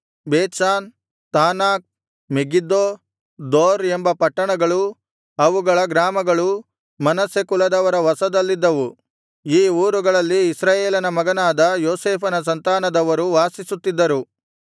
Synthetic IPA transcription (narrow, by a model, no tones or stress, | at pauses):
beːt̪ʃaːn | t̪aːnaːk̚ | meɡid̪oː | d̪oːɾembɐpɐʈːɐɳɐɡɐɭu | ɐʋuɡɐɭɐɡɾaːmɐɡɐɭu | mɐnɐsekulɐd̪ɐʋɐɾɐʋɐsɐd̪ɐlːid̪ːɐʋu | iːuːɾuɡɐɭɐlːiːsɾaːjeːlɐnɐmɐɡɐnaːd̪ɐjoːseːpʰɐnɐs̬ɐnt̪aːnɐd̪ɐʋɐɾuʋaːsisut̪ːid̪ːɐɾu